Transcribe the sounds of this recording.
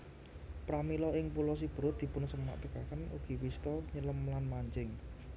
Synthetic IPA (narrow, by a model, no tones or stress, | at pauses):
pɾamilɔɪŋpulɔs̬ib̥ə̤ɾʊt̪̚d̪i̤pʊnsəma̰ʔt̪əkakənuɡ̥i̤wist̪ɔɲələmlanmaɲd͡ʒɪŋ